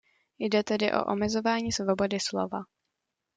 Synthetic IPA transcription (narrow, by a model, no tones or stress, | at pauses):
jdɛt̪ɛdɪʔo̞̰ʔo̰mɛzo̞vaːɲiːsvo̞bo̞dɪslo̞̰va